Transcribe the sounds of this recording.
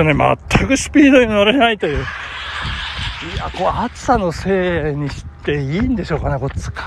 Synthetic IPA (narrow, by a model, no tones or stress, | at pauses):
onema̰t̪ʰːakɯ̟ɕɨ̥pʲiːd̪o̞ɲinaɾe̞nait̪ojɯ̟ː | iako̞at͡sɨ̥sano̞se̞ːɲ̟iɕi̥t̪ːe̞iːnd̪e̞ɕo̞ːkanako̞t͡sɨ̥kʰa